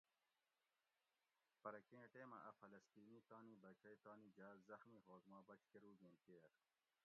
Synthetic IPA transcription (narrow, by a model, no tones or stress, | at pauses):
pɐɾɐkẽːʈeːmɐ̰ʔɐfɐlɐst̪iːniːt̪aːniːbɐt͡ɕɐjt̪ɑːniːd͡ʑaːzzɐxmiːɦoːkmɑ̃ːbɐt͡ɕkeɾuːɡẽːnkeːɾ